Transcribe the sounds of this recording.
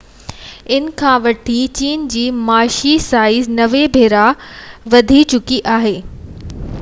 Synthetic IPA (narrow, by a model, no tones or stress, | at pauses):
ɪnkʰãːʋɐʈʰit͡ɕiːnd͡ʑiːmaːʃisaːɪznɐʋebʱeːɾaʋɐd̪ʱit͡ɕʊkiʔaːɦeː